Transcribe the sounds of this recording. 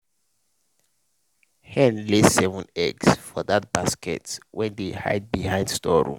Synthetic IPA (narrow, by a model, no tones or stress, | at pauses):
hɛ̃nlesɛvɔ̃nɛ̰ɡsfɔðat̚b̥askɛ̰twʔɛ̃ndeha̰ɪd̚bihãɪ̃nd̥stɔɹṵ̃m